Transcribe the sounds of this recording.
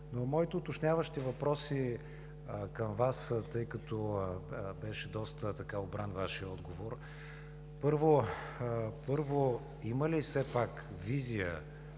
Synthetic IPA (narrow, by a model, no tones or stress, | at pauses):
nomɔit̪ɛʊt̪ot͡ʃnʲjavəʃt̪ivɐpɾɔsi | kɐmvast̪ɤjkɐt̪ɔ | bɛʃɛd̪ɔst̪ət̪ɐkaobɾanvaʃiəɔd̪ɡovoɾ | pɤɾvo | pɤɾvo | iməlifsɛpak | vizijə̰